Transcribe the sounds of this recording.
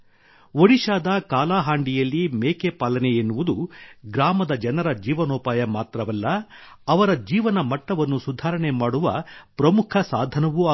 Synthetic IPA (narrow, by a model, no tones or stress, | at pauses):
ʋoɽiʃaːd̪ɐkaːlaːɦaːɳɖijɐlːimeːkepaːlɐneenːuʋud̪uɡɾaːmɐd̪ɐd͡ʒɐnɐɾɐd͡ʒiːʋɐnoːpaːjɐmaːt̪ɾɐʋɐlːɐ | ɐʋɐɾɐd͡ʒiːʋɐnɐmɐʈːɐʋɐnːusud̪ʱaːɾɐɳe̞maːɽuʋɐpɾɐmukʰɐsa̰ːd̪ʱɐnɐʋu